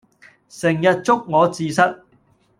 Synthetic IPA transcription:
sɪ˨˩ŋjɐ˨t̚t͡sʊ˥k̚ŋɔː˨˧t͡siː˨sɐ˥t̚

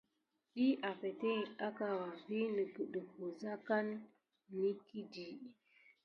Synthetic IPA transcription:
ɗi˦ʔa˨fe˨te˦i˨a˦ka˨wa˨vi˦nə˨kə˨ɗə˨ko˨za˦ka˦n | ni˦ki˦di˨

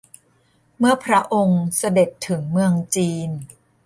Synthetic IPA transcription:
mɯ˥˩ɐpʰɾa˦˥ʔo˧ŋsa˧de˨˩t̪ʰːɯ˩˦ŋmɯ˧əŋt͡ɕiː˧n

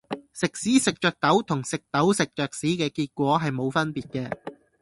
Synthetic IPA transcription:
sɪ˨k̚siː˨˥sɪ˨k̚t͡ʃœː˨k̚t̪ɐ˨˥wt̪ʰʊ˨˩ŋsɪ˨k̚t̪ɐ˨˥wsɪ˨k̚t͡ʃœː˨k̚siː˨˥kɛː˧kiː˧t̚kʷɔː˨˥ɦɐ˨jmo˨˧wfɐ˥npiː˨t̚kɛː˧

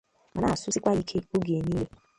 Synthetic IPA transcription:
mã˨na˦˨su˦si˦kʷa˦ji˦kʰe˦o˦ɡe˨e˦nĩ˦le˦

